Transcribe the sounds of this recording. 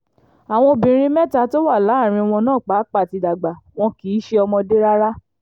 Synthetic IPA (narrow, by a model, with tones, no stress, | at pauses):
a˨w̃ɔ̃˧bĩ˨ɾ̃ĩ˦mɛ˦ta˧to˦wa˦˨la˨˦˨ɾ̃ĩ˧w̃ɔ̃˧nãː˦˨k͡pa˨˦k͡pa˦˨ti˨˧da˨ɡ͡ba˨w̃ɔ̃˧ki˨˦ʃe˧ɔ˧mɔ̃˧de˦ɾa˦ɾa˦